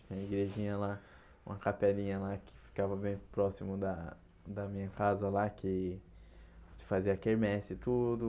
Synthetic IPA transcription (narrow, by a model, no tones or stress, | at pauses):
t͡ʃĩɲɐiɡɾeʒĩɲɐla | ũmɐkapɛlĩɲɐlakʰɪ̥fi̥kavɐbẽj̃pɾɔsimʊd̪ɐ | d̪ɐmĩɲɐkazɐlakɪ | t͡ʃɪ̥faziɐakeɾmɛsɪt̪ud̪ʊ